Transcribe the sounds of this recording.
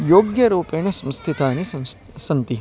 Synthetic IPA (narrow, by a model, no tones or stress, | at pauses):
joːɡjɐɾuːpeːɳɐsɐmst̪ʰit̪aːnis | sɐnt̪i